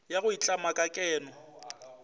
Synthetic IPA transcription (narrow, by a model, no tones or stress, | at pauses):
jaɣʊit͡ɬʼamakʼakʼɛːnɔ